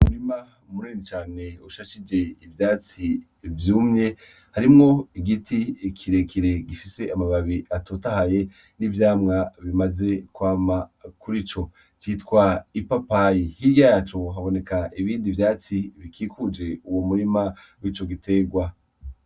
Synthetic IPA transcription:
umuɾima | umuɾinit͡ʃaːne̞uʃaʃid͡ʒe̞ivjaːt͡si | vjuːmɲe̞ | haɾimŋo̞iɡitikʰiɾe̞kʰiɾe̞ɡifise̞ʔamaβaβiʔatotahaje̞ | nivjaːmŋaβimaze̞kwaːmakuɾit͡ʃo̞ | t͡ʃitkwaipapajihiɾjajːt͡ʃo̞ɦaβo̞ne̞kaʔiβiːndivjaːt͡siβikʰiːkud͡ʒe̞uwomuɾima | wit͡ʃo̞ɡitʰe̞ɡwa

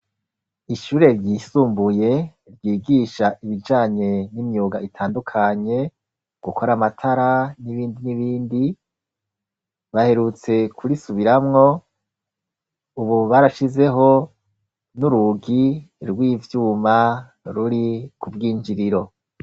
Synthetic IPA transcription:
iʃuːɾe̞ɾɟiːsuːmbuje̞ | ɾɟiːɡiʃaʔiβid͡ʒaːɲe̞nimjuːɡaitʰaːndukʰaɲe̞ | ɡ̥ukʰo̞ɾamatʰaɾaniβiːndiniβiːndi | βahe̞ɾut͡se̞kʰuɾisuβiɾamŋo̞ | uβuβaɾaʃize̞ɦo̞ | nuɾuɡiɾɡwiːvjuːma | ɾuɾikʰubɡiːɲd͡ʒiɾiɾo̞

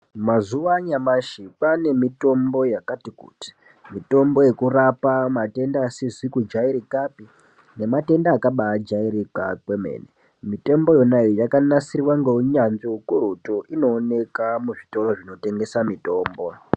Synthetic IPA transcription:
mazuʋaɲamaʃipane̞mito̞mbo̞jakatikṵːti̥ | mito̞mbo̞je̞kurapamate̞ndaːsizwikud͡ʒaiɾikapi | ne̞mate̞ndaːkaɓaːd͡ʒaiɾikakweme̞̰ːne | mite̞mbo̞jo̞naiojakanasiriwaŋɡeuɲanʐiukuɾutoʔino̞ːne̞kamuʐito̞ro̞ʐino̞te̞ŋɡe̞samito̞ːmbo̞

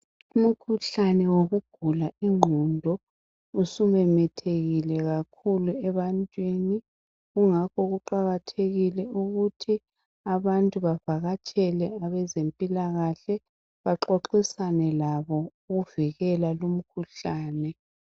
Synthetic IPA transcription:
um̩kʰuɬanɛwoɣuɡ̥ʱulaiŋ͡ǃʱundʱɔ | usumɛmɛtʰeɣilɛɣakʰuluɛβantʼweni | ɣuŋakʰɔɣuǃaɣatʰeɣilɛʔuɣutʰi | aβantʼuβavaɣat͡ʃʼɛlɛaβɛzempʼilaɣaɬɛ | βaǁoǃisanɛlaβɔuɣuviɣɛlalum̩kʰuɬaːnɛ

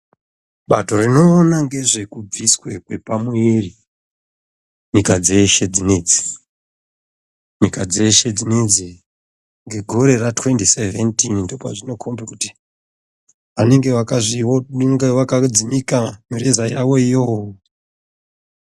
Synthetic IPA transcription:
ɓa̰to̞rino̞ːnaŋɡe̞ʐe̞kub͡viswe̞kwe̞pamueri | ɲikad͡ze̞ʃe̞d͡zineːd͡zi̥ | ɲikad͡ze̞ʃe̞d͡zined͡ze | ŋɡe̞ɡʱo̞ɾe̞ratwe̞ntiseventinndopa̰ʐino̞kʰo̞mbekuti | ʋane̞ŋɡe̞ʋakaʐioŋɡeʋakad͡zimikamirezaijawo̞ijowoo

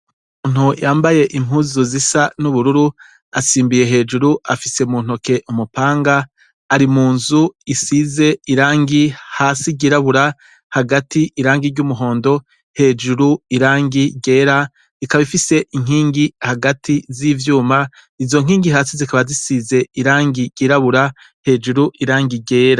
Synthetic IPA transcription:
ummuːn̥hujaːmbaje̞ʔimuzuzisanuβuɾuɾu | a̰siːmbije̞ɦe̞ːd͡ʒuɾuʔafise̞muːn̥oke̞ʔumupaːŋɡaː | ɾimuːnzuisize̞iɾaːŋɡihaːsiɟiɾaβuɾa | haɡatʰiʔiɾaːŋɡiɾɟumuɦo̞ːndo̞ | he̞ːd͡ʒuɾuiɾaːŋɡiɟe̞ːɾa | ikaβifise̞ʔiŋ̥iːŋɡihaɡatʰizivjuːma | izo̞ŋ̥iːŋɡiɦaːsizikaβazisize̞iɾaːŋɡiɟiːɾaβuɾa | he̞ːd͡ʒuɾuʔiɾaːŋɡiɟe̞ːɾa

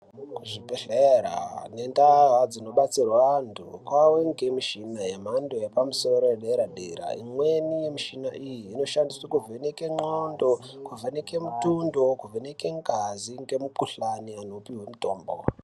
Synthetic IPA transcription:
kuʐipeɬeɾa̰ne̞ndaɦad͡zino̞ɓat͡sirwantʰukwaweŋɡemiʃinajem̤andojepamuso̞ɾo̞jeɗaeɾadḛɾa̰ḭmwe̞nijemiʃinaʔijiːno̞ʃandiswakuvenekeŋ͡ǃondokuvenekemutundo̞kuveneke̞ŋɡaziŋɡe̞mukuɬaniano̞piɦwe̞muto̞ːmbo̰

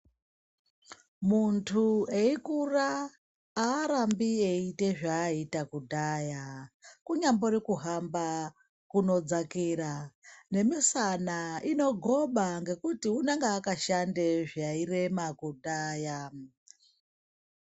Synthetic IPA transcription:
muntʰueikuraː | ɾambieite̞ʐaːitakudʱaːjakuɲambo̞ɾikuɦamba | kuno̞d͡zakiːrane̞misanaino̞ɡʱo̞ɓaŋɡe̞kutiunaŋɡaːkaʃandeʐaire̞makudaːja

